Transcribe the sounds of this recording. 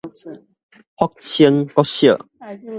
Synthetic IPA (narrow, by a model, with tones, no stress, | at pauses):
hɔ˦k̚t͡ɕʰi˦əŋkɔ˦ɕə˥˨